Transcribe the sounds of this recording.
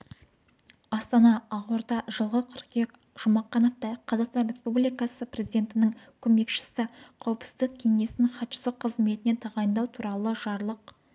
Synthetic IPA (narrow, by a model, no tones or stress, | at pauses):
ɑst̪ɑnɑːʁwoɾd̪ɑʒəlˠʁəqʰʏɾqʲek | ʒ̥ʊmɑqːɑnɑq̚t̪ɑjqʰɑzɑqst̪ɑnrʲe̞spublijkɑsəprʲe̞zijd̪ʲe̞nt̪ɪnɪŋkʲʰɵme̞kʃɪ̥sɪqʰɑwəpsɪzd̪əq̚kʲʰe̞ŋe̞sɪŋχɑt̪ʃə̥səqʰːəzme̞t̪ɪne̞t̪ʰɑʁɑjənd̪ɑwt̪ʰuɾɑlˠəʒɑɾlˠəq̚